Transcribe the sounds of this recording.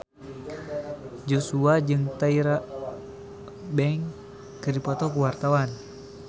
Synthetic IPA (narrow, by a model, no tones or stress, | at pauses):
d͡ʒosuad͡ʒɨŋt̪aiɾa | bɛŋ | kɨdipɔt̪ɔkuwart̪awan